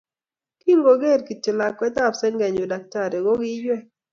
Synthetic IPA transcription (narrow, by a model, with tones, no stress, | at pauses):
ki˦ŋɡo˨ɡe˦˨ɾki˨tɪ˨la˨kwɛ˦t̪a˦˨psɛ˦ŋɡɛ˨ɲo˨da˨k̚ta˦˨ɾe˨ɡo˦ɡi˦d͡ʒwɛ˦˨